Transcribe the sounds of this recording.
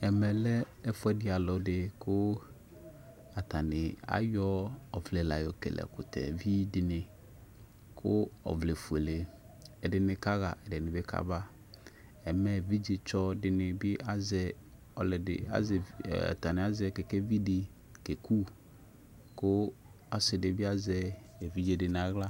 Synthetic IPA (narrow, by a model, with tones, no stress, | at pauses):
ɛ˨mɛ˨lɛ˦ | ɛ˦fʊ˦ɛ˦dɪ˦a˨lɔ˨dɪ˨kʊ˦ | a˨ta˨nɪ˨a̰˦jɔ˦ɔ˨flɛ˨la˨jɔ˨kɛ̰˨lɛ̰˨kʊ˨tɛ̰˨vi˦dɪ˨nɪ˨ | kʰʊ˦ɔ̰˨vle˨fu˨e˨le˨ | ɛ˨dɪ˨nɪ˨ka˦ɣa˨ʔɛ˨dɪ˨nɪ̃˨bɪ˦kʰa̰˦ba˦ | ɛ˨mɛ˦˨vi˦d͡ʒe˨t͡ʃɔ˦dɪ˨nɪ˨bɪ˦ʔa˦zɛ˨ | ɔ˨lɛ˨dɪ̰˨a̰˦za̰˨ta˨nɪ˨a˦zkɛ˨kɛ˦vi˦dɪ˨ | ke˨ku˦ | kʊ˦ | a˨sɪ˨dɪ˨bɪ˦a˦zɛ˨ | vi˦d͡ʒe˨dɪ˨nɪ˨a˨ɣla˦